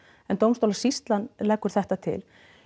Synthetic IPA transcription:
ɛnt̪owmst̪owlasist̪lanlɛːkːʏɾ̥θɛht̪at̪ʰɪ̰l

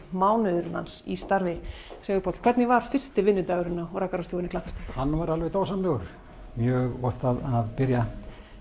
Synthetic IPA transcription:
maːwnʏðʏɾla̰nsḭst̪aɾvɪ | sɛːɣʏɾpot̪l̥kʰvɛɾt̪nɪvaɾ̥fɪr̥st̪ɪvɪnːʏt̪aːɣʏɾɪnːaɾakaɾast̪oːvɪnɪkʰlahkast̪hanːvaɾalvɛjt̪oːwsanlɛɣʏɾ̥ | mjœːɣɔht̪aðaðpɪɾja

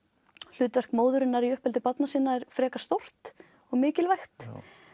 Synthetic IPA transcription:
l̥ʏːt̪vɛr̥kmoːwðʏɾɪnːaɾiʏhpɛlt̪̬ɪpat̪nasɪnːaɛɾ̥fɾɛːkḁst̪owr̥t̪ | ɔɣmɪːcɪlvajxt̪

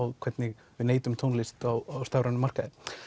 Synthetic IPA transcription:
wkʰvɛt̪nɪɣ | vɪneːjt̪ʏmt̪ʰownlɪst̪awawst̪awɾanʏmar̥kaðɪ

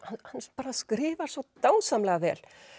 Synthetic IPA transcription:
hahanːspaːɾaskɾɪːvaɾ̥svɔt̪aːwsamlɛɣavɛ̰ːl

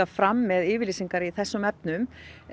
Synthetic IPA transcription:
afɾamːɛðɪːvɪɾlisiŋkaɾiθɛsːʏmɛp̚nʏm

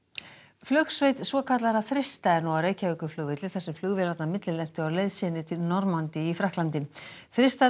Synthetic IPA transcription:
flœxsveːjt̪svɔkʰat̪laɾaθɾɪst̪aɛɾnawawɾeːjcaʏkʏflʏːɣvɪt̪ɪlθɛsːʏflʏɣvɪɾat̪namɪt̪lɪlɛn̥t̪ʏawleːjðsɪnɪt̪ʰɪlnɔɾmant̪ɪifɾahklant̪ɪθɾɪst̪a

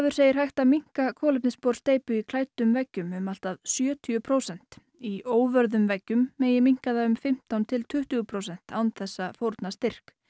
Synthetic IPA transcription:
avʏɾ̥seːjɪɾ̥ɦajht̪amiŋ̥kakʰɔːlɛp̚nɪspɔɾ̥st̪eːjpʏikʰlaːjt̪ʏmvɛcːʏmʏmal̥t̪aðsjœːt̪ʰʏʏpʰɾowsɛn̥t̪ | ioːwvœɾðʏmvɛcːʏmːeːjɪmiŋ̥kaðaʏmfɪm̥t̪awnt̪ʰɪlt̪ʰʏht̪ʏɣʏpʰɾowsɛn̥t̪a̰wnθɛsːafowɾt̪nast̪ɪr̥k

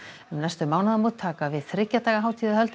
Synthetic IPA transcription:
ʏmnajst̪ʏmaːwnaðamut̪ʰːaːkavɪðθɾɪcːat̪aːɣaɦawt̪ʰiːðahœlt̪

